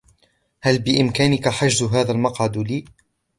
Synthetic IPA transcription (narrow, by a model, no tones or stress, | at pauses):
halbɪʔɪmkaːnɪkaħaʒzʊɦaːðalmɑqʕɑd̪liː